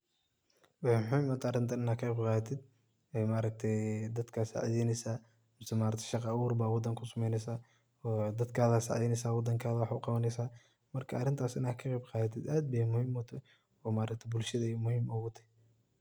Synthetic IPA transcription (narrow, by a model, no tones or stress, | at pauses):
wɑħmʊħɪːmɐːt̪ʰɐɾɪnt̪ʰɐnɪnaːkʰqːjbqɑːðɐt̪ʰɪd̪̚ | ɛjmaːɾɐk̚t̪ʰɛjd̪ɐd̪kʰaːsa̰ʕðɛnɛsaː | mʊsɛmaːɾɐkt̪ʰɛ̥ʃɑqɑwuːrbaːwɑd̪ɐŋkʰʊsɐmɛjnɛsaː | ɔd̪ɐd̪kʰaːðɐsa̰ʕjɪnɛjsaːwɑd̪ɐŋkʰaːðɐwɑħʊqɑβɐnɛjsaː | mɐrkʰɐːrɪnt̪ʰaːsɪnaːkʰɐqɛjbqɑːðɐt̪ʰɪd̪aːd̪̚bɐjmʊhiːmɔt̪ʰɐ | ɔːmaːɾɐkt̪ʰɐbʊlʃɐðɐmʊhiːmɔɣʊt̪ʰɐ̥